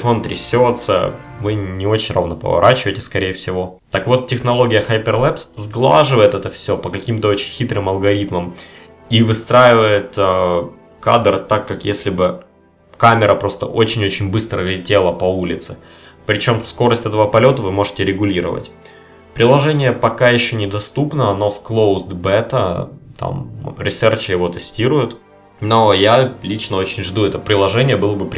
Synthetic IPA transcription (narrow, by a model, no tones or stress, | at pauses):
fo̞nt̪ɾʲɪsʲot̪sə̰ | vɨnʲɪo̞t͡ɕɪnʲro̰vnəpə̰vɐ̰ɾʔat͡ɕɪvəjtʲɪ̥skɐɾʲejəfsʲɪvo̞ | t̪əkvo̞t̪tʲɪxnɐlˠo̞ɡʲɪjəxajpʲɪrlˠɛpszɡlˠa̰ʐɨvəjɪt̪ɛt̪əfsʲo̞pəkɐkʲimt̪əo̞t͡ɕɪnʲxʲit̪ɾɨmɐlˠɡɐɾʲit̪məm | ivɨst̪ɾajɪvəjɪt̪ə | kad̪rt̪akːakjesʲlʲɪbɨ | kamʲɪɾəpɾo̞st̪ə̰ʔo̞t͡ɕɪnʲo̞t͡ɕɪnʲbɨst̪ɾəlʲɪtʲe̞lˠəpɐulʲɪt̪sɨ | pɾʲɪt͡ɕo̞mfsko̞ɾəsʲtʲɛt̪əvəpɐlʲo̞t̪əvɨmo̞ʐɨ̥tʲɪɾʲɪɡʊlʲiɾə̰və̰tʲ | pɾʲɪlˠɐʐɛnʲɪjəpɐkajɪɕːonʲɪd̪ɐst̪upnəno̞fklˠowzd̪bɛt̪ə̰t̪a̰mɾʲɪsɛrt͡ɕɪjɪvo̞t̪ɨsʲtʲiɾʊjʊt̪ | no̞jalʲit͡ɕnəo̞t͡ɕɪnʲʐd̪uɛt̪əpɾʲɪlˠɐʐɛnʲɪjəbɨlˠəbɨp